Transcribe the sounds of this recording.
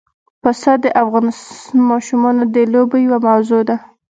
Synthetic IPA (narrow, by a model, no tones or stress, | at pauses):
pasɑd̪ːəʔafɣɑnɪsmɑʃumɑnod̪əlobejawamawzod̪a